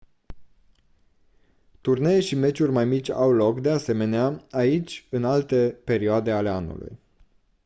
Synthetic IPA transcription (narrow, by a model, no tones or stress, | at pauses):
t̪urne̞eʃime̞t͡ʃurʲmajmit͡ʃʲa̰wlo̞kd̪e̞ase̞me̞neaait͡ʃʲɨnalt̪e̞pe̞ɾioad̪e̞ale̞anṵlṵj